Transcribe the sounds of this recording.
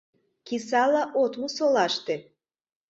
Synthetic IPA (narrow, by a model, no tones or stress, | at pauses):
kisɑlɑʔot̪mosolɑʃt̪e